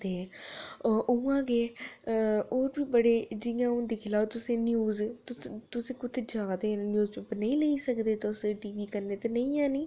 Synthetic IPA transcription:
t̪eː | ʔʊãːkeː | oːɾbiːbəɽeːd͡ʒɪjãːʊnd̪iːkʰɪlaːt̪ʊsẽːnjuːzt̪ʊt̪ʊsẽːkʊt̪ʰeːd͡ʒaːd̪eːnjuːzt͡ʃːbnəĩːləiːsəkd̪eːt̪eʊsʈiːʋiːkəɾneːt̪eːnəĩːãːniː

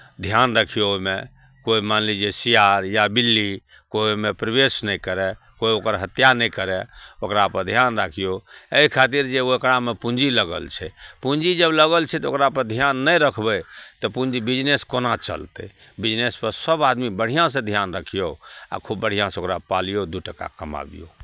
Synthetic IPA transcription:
d̪ʱjanɾəkʰijoome | koimanlid͡ʒesijaɾjabilːi | koimepɾəbesnɛjkəɾɛ | koiokəɾɦət̪janɛjkəɾɛokɾapəɾd̪ʱjanɾakʰijoeikʰat̪iɾd͡ʒeookɾamepũɲd͡ʒiləɡə̰lt͡ʃʰɛ̰puɲd͡ʒid͡ʒəbləɡəlt͡ʃʰɛt̪ɔokɾapəɾd̪ʱjanːəjɾəkʰbɛt̪ɔpũnd͡ʒibid͡ʒneskonat͡ʃə̰lt̪ɛ̰ | bid͡ʒnespəɾsəbad̪mibəɽ̤ijãsẽd̪ʱjanɾəkʰijoa̰kʰubːəɽ̤ijãsẽokɾapalijod̪uʈəka̰kəma̰bḭjo̰

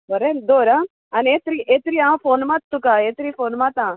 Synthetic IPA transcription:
bəɾed̪oːɾã | ɐneːt̪ɾiʔeːt̪ɾiãfoːnmat̪t̪ːukaeːt̪ɾifoːnmat̪ãː

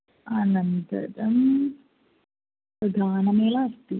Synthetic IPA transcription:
ɐnɐnt̪ɐ̰ɾɐm | pɐd̪ʱaːnɐmeːlaɐst̪i

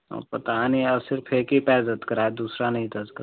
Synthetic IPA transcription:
pət̪aniɐsɪɾfʰekipɛːzət̪kəɾaːed̪uːsɾanɐɦĩd̪əzkə

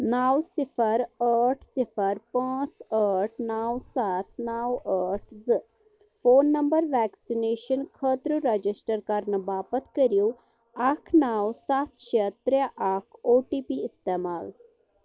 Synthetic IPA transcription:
naːwsipʰəɾəɾʈʰsipʰəɾpãːt͡səʈʰnaːwsat̪ʰnaːwəʈʰzɨ | foːnːɐmbəɾʋɛksineːʃənkʰət̪ɾuɾɐd͡ʒisʈəɾkɐɾnəbaːpət̪ʰkəɾju | akʰnaːwsat̪ʰʃet̪ːɾaʔakʰoːʈipiːst̪emaːl

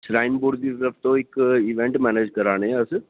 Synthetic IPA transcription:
sɾaːɪnbuɾd̪it̪əɾəfʰt̪õɪkiʋẽɳʈmɛːneːd͡ʒkɐɾaːɽ̃eɛɐs

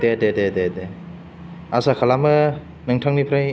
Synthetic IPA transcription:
dedededede | asakʰalamɯ | nɯŋtʰaŋnipʰɾaj

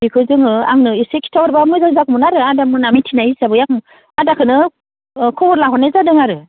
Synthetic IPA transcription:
bikʰɯzɯŋɯa̰ŋnɯisekʰi̥tʰawaɾbamɯjzaŋzakumunaɾɯadamɯnamitʰinajisabɯjakm | adakʰɯnɯ | kʰɔwɔɾlaɦɔnezadɯŋaɾɯ

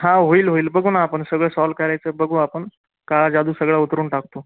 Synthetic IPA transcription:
ɦãɦoiːlɦoiːlbəɡʱunaːpəɳsəɡɭəsɔlkəɾajt͡səːbəɡʱũapəɳ | kad͡zad̪uːsəɡɭaut̪ɾuːɳʈak̚t̪o

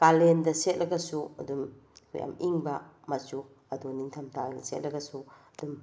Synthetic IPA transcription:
kalendɐset̚lɐɡɐsuɐdum | kʰṵja̰miŋbɐ | mɐt͡ʃu | ɐdoniŋtʰɐmtʰajɡɐset̚lʔɐɡɐsuɐdum

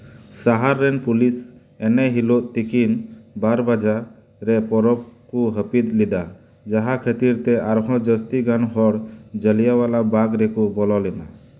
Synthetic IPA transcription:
saɦaɾːɛnpulis | ɛnɛɦiloʔt̪ikinbaɾbad͡ʒa | ɾɛpɔɾɔb̚kuɦəpid̪lid̪a | d͡ʒaɦakʰət̪iɾt̪ɛaɾɦɔ̃d͡ʒəst̪iɡanɦɔɽd͡ʒəlijawalabaɡɾɛkubɔlɔlɛna

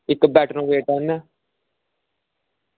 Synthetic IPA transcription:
ɪkːbɛːʈɾõːʋeːʈãːna

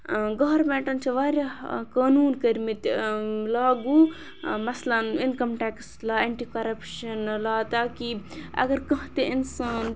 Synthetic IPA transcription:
ɡɐɾbɛ̃ːʈɐnt͡ʃʰɐʋaːɾʲjakaːnuːnkɐɾmit̪laːɡuː | mɐslɐninkɐmʈɛːkslaːeːɳʈiːkɐɾɐpʃɐnlaːt̪aːkiɐ̰ɡɐɾkɐɦt̪einsaːn

